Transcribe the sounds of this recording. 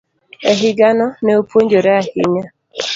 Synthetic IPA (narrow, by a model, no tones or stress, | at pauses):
eɦɪɡanɔneopʰoɲd͡ʒoɾeahɪ̰ɲa